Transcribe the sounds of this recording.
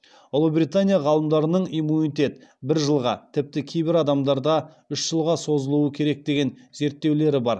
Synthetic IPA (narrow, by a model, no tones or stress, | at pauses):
olˠubɾijt̪anʲijaʁɑlˠəmd̪ɑɾənəɴimunijt̪ʲe̞t̪bɪɾʒəlˠʁɑ̰t̪ʰɪp̚t̪ɪkʲʰejbɪɾɑd̪ɑmd̪ɑɾd̪ɑ | ʏʃʒ̥əlˠʁɑso̞zəlˠuəkʲʰe̞ɾe̞k̚d̪e̞ɡʲe̞nze̞ɾt̪ːe̞wle̞ɾɪbɑɾ